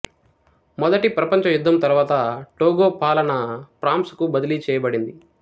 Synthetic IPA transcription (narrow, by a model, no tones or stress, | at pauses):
mɔd̪ɐʈipɾɐpɐɲt͡ʃɐjud̪ʱːɐmt̪ɐɾuʋaːt̪ɐʈoːɡoːpaːlɐnɐpɾaːmskubɐd̪iliːt͡ʃɛːjɐbɐɽind̪i